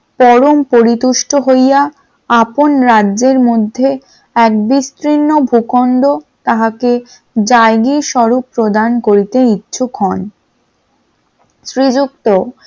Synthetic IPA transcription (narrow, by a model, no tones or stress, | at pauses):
pɔɾompoɾit̪uʃʈoɦoja | aponɾadːʑeɾmod̪ʱːe | ɛk̚bist̪ɾinːobʱukond̪ot̪aɦake | d͡ʑajɡiʃɔɾupːɾod̪ankoɾit̪eitːɕʰukɦɔn | ʃɾid͡ʑukt̪o